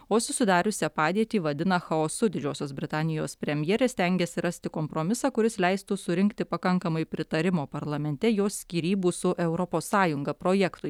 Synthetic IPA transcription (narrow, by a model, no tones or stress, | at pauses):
oːsʊsʲɪd̪ɑːɾʲʊsʲɛpɑːd̪ʲiɛt̪ʲiːʋɐd̪ʲɪnɐxɐoːsʊd̪ʲɪd͡ʒʲoːsʲoːsbʲɾʲɪt̪ɑːnʲɪjoːspʲɾʲɛmʲjɛːɾʲest̪ʲɛŋʲɡʲɛsʲɪɾɐsʲt̪ʲɪkoːmpɾoːmʲɪsɑːkʊɾʲɪslʲɛɪst̪usʊɾʲɪŋʲkt̪ʲɪpɐkɐŋkɐmɐɪpʲɾʲɪt̪ɐɾʲɪmoːpɐɾlˠɐmʲɛnʲt̪ʲɛjoːsʲkʲiːɾʲiːbuːsʊʔɛʊɾɔpoːsːɑːjʊŋɡɐpɾoːjɛkt̪ʊɪ